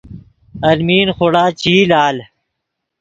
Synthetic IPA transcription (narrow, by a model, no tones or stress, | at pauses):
ɐlmiːnxoɽaːt͡ɕiːlaːl